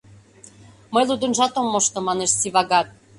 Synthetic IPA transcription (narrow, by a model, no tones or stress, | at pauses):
mɤjlˠud̪ə̆nʒɑt̪omːoʃt̪ɤ̆mɑneʃsiβɑɡɑt̪̚